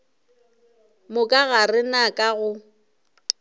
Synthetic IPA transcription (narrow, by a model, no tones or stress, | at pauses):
mʊkʼaɣarɪnakʼaɣʊ